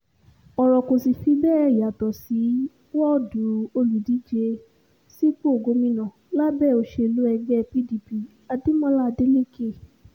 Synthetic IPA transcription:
ɔ˨ɾɔ˨ko˨si˨fi˧bɛː˦˨ɛ˧˨ja˨tɔ˨si˨˦ | wɔ˦˨dũ˨o˧lu˨di˨˦d͡ʒe˧ | si˦k͡po˦o˨ɡo˧˦mĩ˧nã˨la˦bɛ˦˨o˧˨ʃe˧˨˧lu˨˦ɛ˧d͡ʒɛ˦˧pi˦di˧pi˧ | a˧di˦mɔ̃˦la˦a˧de˦lĩ˦ke˦˨

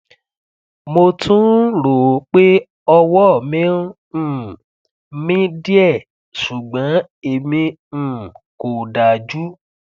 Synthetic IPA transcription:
mo˧tʰũ˦ɾo˨˦k͡pe˦ | ɔ˧wɔ˦˨mĩ˦ | ũ˦˨ | mĩ˦di˦ɛ˦˨ | su˨ɡ͡bã˨˦ | e˨mĩ˧ | ũ˨ko˨da˨d͡ʒu˦

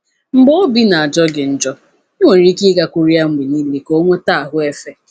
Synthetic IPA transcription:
m̩˦ɡ͡bo˦o˦bi˦na˨a˨d͡ʒɔ˦ɡɪ˨n̩˨d͡ʒɔ˦ | i˦wʷe˨n̩˨ɾi˦ki˦ɡa˦kʷu˦ɾi˦a˦ŋ͡m̩˦ɡ͡bi˨ni˦li˦ko˦ŋʷe˦ta˦˨a˨ɦʊ˦e˦fe˦

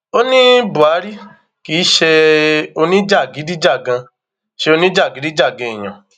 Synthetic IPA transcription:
o˦nĩ˦bu˨a˨˦ɾi˦ | ki˨˦ʃe˧o˧nĩ˦d͡ʒa˦˨ɡi˨˦di˦d͡ʒa˦˨ɡã˧ | ʃe˧o˧nĩ˦d͡ʒa˦˨ɡi˨˦di˦d͡ʒa˦˨ɡã˧i˨ɲɔ̰̃˨

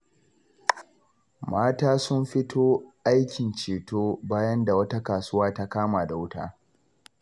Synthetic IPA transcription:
maː˦taː˦sʊ˦mɸɪ˦tʰoː˦ʔa˦jkʲɪ˨nt͡ʃeː˨toː˦baː˦jɐ˦nda˨wɐ˦ta˦kaː˨sʊ˦waː˦ta˦kaː˦maː˨da˨wʊ˦ta̰ː˦

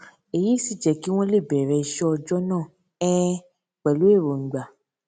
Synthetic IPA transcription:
e˨ji˨˦˨si˦˨d͡ʒɛ˨ki˨˦w̃ɔ̃˦le˦˨bɛ˨ɾɛ˧˦i˧ʃɛ˦ɔ˧d͡ʒɔ˦nãː˦˨ | ɛ˦ | k͡pɛ˨lu˨˦e˦˨ɾo˨ŋ̩˨ɡ͡ba˨

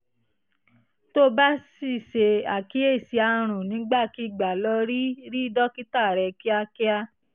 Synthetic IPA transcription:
to˦ba˦si˦˨se˧a˨ki˨˦e˦˨si˧˦a˧ɾ̃ũ˨nĩ˨˦ɡ͡ba˦˨ki˧˦i˦˨ɡ͡ba˨lɔ˧˦ɾi˦ɾi˦dɔ˦ki˦ta˦˨ɾɛ˧ki˦a˧ki˦a˦

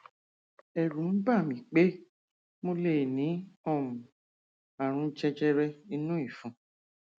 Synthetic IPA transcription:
ɛ˨ɾũ˨m̩˦ɡ͡ba˦˨mĩ˨k͡pe˦ | mo˦le˦˨nĩ˨˦ɔ̃˦˨mũ˨ | a˨ɾ̃ũ˧˦t͡ʃɛ˧t͡ʃɛ˦ɾɛ˧i˧nũ˦i˦˨fũ˧˦

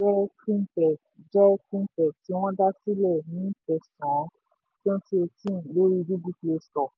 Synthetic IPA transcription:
d͡ʒɛ˦kĩ˦mpɛ˨ | d͡ʒɛ˦kĩ˦mpɛ˨ti˨˦w̃ɔ̃˦da˦si˦lɛ˦˨nĩ˨˦fɛ˨sɔ̃˨˦ | tɔ̃˦ti˦e˧tĩ˦˨n˨lo˦ɾi˦˧bi˦bi˦kle˧stɔ˨

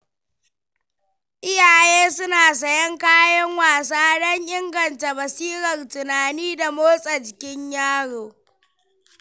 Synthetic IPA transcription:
ʔɪ˦jaː˨jeː˦sʊ˦naː˨s̬ɐ˨jɐ˦ŋkaː˦jɐ˦ŋwaː˨s̬aː˦ɽɔ˦ɲʔɪ˦ŋɡɐ˨nta˨mɐ˨siː˦ɾɐ˨rtʊ˨naː˨niː˦da˨moː˦sʼɐ˨d͡ʒɪ˨kʲɪ˦ɲjaː˦ɽoː˨

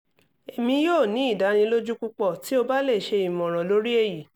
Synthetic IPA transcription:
e˨mĩ˧˦joː˦˨nĩ˨˦i˦˨da˨˦nĩ˧lo˦d͡ʒu˦ku˦k͡pɔ˦˨ti˨˦o˧ba˦le˦˨ʃe˧i˨mɔ̃˨ɾ̃ɔ̃˨lo˨˦ɾi˦e˦˨ji˨

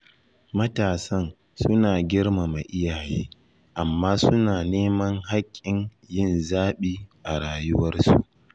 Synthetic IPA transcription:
mɐ˦taː˨sɐ˦n | sʊ˦naː˨ɡʲɪ˦rma˨ma˨ʔɪ˦jaː˨jeː˦ | ʔa˨mːaː˦sʊ˦naː˨neː˦mɐ˦ŋɦa˦kʲʼːɪ˨n | jɪ˦nzaː˦ɓiː˦ʔa˨ɽaː˨jʊ˦wɐ˦rsu˨ʔ

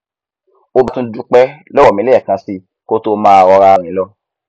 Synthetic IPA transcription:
o˧ba˨˧tũ˦du˦k͡pɛ˦lɛ˦wɔ˨mĩ˨˦le˦ɛ˦˨kã˧si˧ | ko˦to˦˧mãː˦a˧ɾɔ˧ɾa˧ɾ̃ĩ˨˦lɔ˧˦

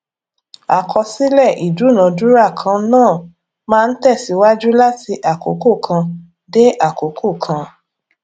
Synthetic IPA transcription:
a˨kʰɔ˧si˦lɛ˦˨ʔi˨du˨˦˨nã˨˦du˦ɾa˦˨kʰã˧nãː˦˨ | mãː˦˧n̩˦tɛ˦˨si˨˦wa˦d͡ʒu˦la˦ti˧ʔa˨ko̰˨˦ko˦˨kʰã˧ | de˦ʔa˦˨ko˨˦kʰo˦˨kʰã˧

